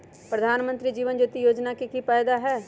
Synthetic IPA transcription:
pɾəd̪ʱaːnmə̃nt̪ɾid͡ʒiːʋənd͡ʒuːt̪ijoːd͡ʒnakikipaːjd̪aɦɛː

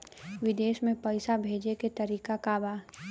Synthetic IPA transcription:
ʋɪd̪eːʃmẽpəɪsabʱeːd͡ʒeket̪ɐɾiːkakaːbaː

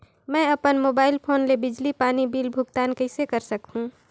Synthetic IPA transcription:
mɛ̃ɐpənmoːbaːɪlpʰoːnlebɪd͡ʒlipaːnibiːlbʱʊɡt̪aːnkəɪsekəɾsəkɦũ

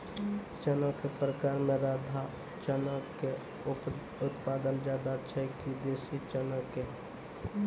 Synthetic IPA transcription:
t͡ʃənakepɾəkaːɾmẽɾaːd̪ʱa | t͡ʃənake | ʊ | ʊt̪paːd̪ənd͡ʒaːd̪at͡ʃʰəikid̪eːsit͡ʃənəke

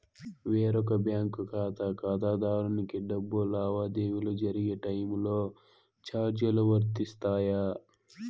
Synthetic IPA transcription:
ʋeːɾɔkɐbjaːŋkukaːt̪ɐkaːd̪aːd̪aːɾɐnikiɖɐbːulaːʋaːd̪eːʋulud͡ʒɐɾiɡeʈɐjmloː | t͡ʃaːɾd͡ʒjɐluʋɐɾt̪ist̪aːja

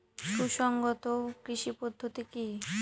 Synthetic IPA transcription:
ʃuʃɔŋɡot̪okɾiʃipod̪ʱːot̪iki

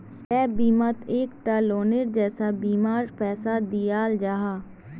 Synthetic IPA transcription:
kɛːbiːmət̪eːkʈaːloːneɾd͡ʒɛːsaːbiːmaːɾpɛːsaːd̪ijaːld͡ʒaːɦaː

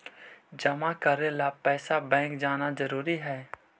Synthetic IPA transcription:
d͡ʒɐmakəɾelapɛːsabɛ̃ːŋkd͡ʒaːnazɐɾuːɾiɦɛː

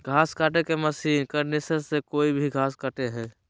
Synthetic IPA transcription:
ɡʱaːskaːʈekeməsiːnkəɾnesəssekoːibʱiɡʱaːskaʈeɦɛ̃ː

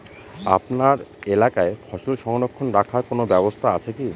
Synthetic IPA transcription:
a̰pnaɾelakaefʰɔʃolʃɔŋnokʰːonɾakʰaɾkonobɛbost̪ʰaat͡ɕʰeki

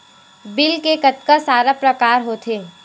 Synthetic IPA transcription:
bɪlkekɐt̪kasaːɾapɾɐkaːɾɦoːt̪ʰeː

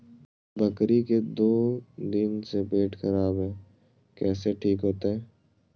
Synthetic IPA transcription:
bɐkɾiked̪oːd̪ɪnsebeːʈʰxɐɾaːbɦɛː | kɛːseʈʰiːkɦoːt̪aɦɛː

